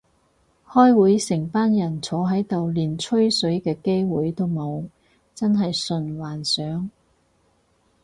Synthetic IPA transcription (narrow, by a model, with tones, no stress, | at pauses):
hɔː˥jwuː˨˥jsɪ˨˩ŋpaː˥njɐ˨˩nt͡sʰɔː˨˥ɦɐ˨˥jt̪o˨wliː˨nt͡ʃʰɵ˥ɥsɵ˨˥ɥkɛː˧ke˥jwuː˨˥jt̪o˥wmo˨˧w | t͡sɐ˥nɦɐ˨jsɵ˨˧nwaː˨˩nsœː˨˥ŋ